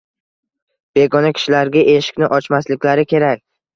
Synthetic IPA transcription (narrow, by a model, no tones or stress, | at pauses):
b̥e̞ɡɒnakʲʰɪ̥ʃɪlaɾɡʲaʔe̞ʃɪ̥kʲnɪʔɒt͡ʃmaslɪkʲlaɾɪkʲʰe̞ɾak̚ʲ